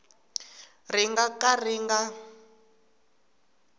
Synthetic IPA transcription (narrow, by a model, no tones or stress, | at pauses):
riŋɡakariŋɡa